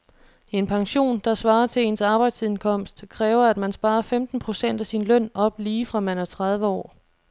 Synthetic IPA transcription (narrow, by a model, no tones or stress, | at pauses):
e̝npʰɑ̈ŋɕo̝̰ːnd̥ɑ̈sʋɑ̈ːɐt͡sʰe̝e̝nsɑ̈ːb̥ɑ̈ɪd̥st͡sʰiðˠnkʰɒ̽m̰sd̥kʰʁɛːʊɐæd̥mænsb̥ɑ̈ːɐfemd̥n̩pʰʁo̝sen̰d̥æsinlœn̰ɒ̽b̥liːfʁɑ̈mænæɐt͡sʰʁɑð̞ˠʋəɒ̰ː